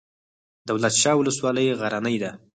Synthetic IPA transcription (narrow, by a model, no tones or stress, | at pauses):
d̪əwlat̪ʃɑwʊləswɑləjɣaɾanəjd̪a